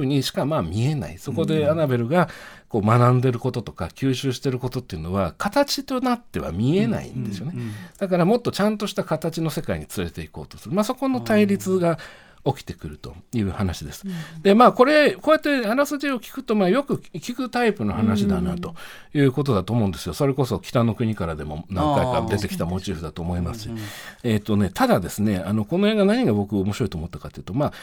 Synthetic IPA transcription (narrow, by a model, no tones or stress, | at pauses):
ɯ̟ːɲ̟iɕi̥kamaːmʲie̞na̰iso̞ko̞d̪e̞anabe̞ɾɯ̟ɡako̞ːmanãnd̪e̞ɾɯ̟ko̞t̪o̞t̪o̞̥ka̰kʲɨːɕɨːɕi̥t̪e̞ɾɯ̟ko̞t̪o̞t̪ːeiɯ̟no̞βa̰kʰat̪at͡ɕit̪o̞nat̪ːe̞βa̰mʲie̞na̰ḭ̃nd̪e̞sɨijo̞ned̪̥akaɾamo̞t̪ːo̞t͡ɕãnt̪o̞ɕi̥t̪akat̪at͡ɕino̞se̞kaḭɲ̟it͡sɨɾe̞t̪eiko̞̰ːt̪o̞sɨɾɯ̟maːso̞ko̞no̞t̪aiɾʲit͡sɨɡa | o̞kʲi̥t̪e̞kɯ̟ɾɯ̟t̪o̞̰jɯ̟ːhanaɕid̪e̞sɨ̥d̪̥e̞maːko̞ɾe̞koːjat̪ːe̞aɾasɨd͡ʑio̞kʲi̥kɯ̟̥t̪o̞maːjo̞kɯ̟kʲikɯ̟t̪aipɯ̟no̞hanaɕid̪ana̰t̪o̞ | jɯ̟ːko̞t̪̬o̞d̪at̪oːmo̞ɯ̃nd̪e̞sɨjo̞so̞ɾe̞ko̞so̞kʲi̥t̪anːo̞kɯ̟ɲ̟ikaɾad̪e̞mo̞̰nãŋkaikaɾad̪e̞t̪e̞kʲi̥t̪amo̞t͡ɕiːɸɯd̪at̪o̞ːmo̞imasɨ̥ɕiet̪ːo̞ne̞t̪ʰad̪ad̪e̞sɨne̞ano̞ko̞no̞eːɡanaɲ̟iɡabo̞kɯ̟omo̞ɕiɾo̞it̪oːmo̞t̪ːakat̪ːeiɯ̟t̪o̞maː